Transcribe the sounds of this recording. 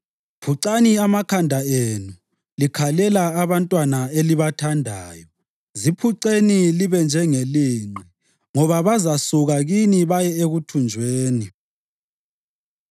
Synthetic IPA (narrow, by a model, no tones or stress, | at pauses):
pʰuǀaniamakʰandʱaenu | likʰalɛlaːβantʼwanaeliβatʰandʱaːjɔ | zipʰuǀeniliβɛnd͡ʒʱɛŋeliŋ͡ǃi | ŋɔβaβazasuɣaɣiniβajɛeɣutʰund͡ʒʱweːni